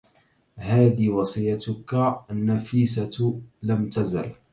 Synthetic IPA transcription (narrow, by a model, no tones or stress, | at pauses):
haːd̪iːwɑsˤɨjːat̪ʊkanːafiːsalamt̪aza̰l